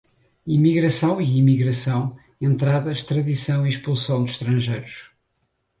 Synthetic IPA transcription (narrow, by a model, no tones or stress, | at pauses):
imiɣɾɐsɐ̃w̃iimiɣɾɐsɐ̃w̃ | ẽnt̪ɾaðɐʃt̪ɾɐðisɐ̃w̃iʃpulˠsɐ̃w̃d̪ʃt̪ɾɐ̃ʒejɾuʃ